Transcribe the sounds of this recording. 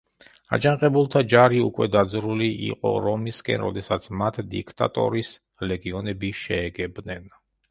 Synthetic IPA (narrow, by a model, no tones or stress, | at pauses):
a̰d͡ʒaŋqʼɛbulˠt̪ʰad͡ʒaɾiukʼwɛd̪ad̪zɾuliʔḭqʼɔ̰ɾɔmiskʼɛ̰nɾɔd̪ɛsat̪sʰmat̪ʰd̪ikʰt̪ʼa̰t̪ʼɔ̰ɾis | lɛɡiɔnɛbiʃɛːɡɛbnɛn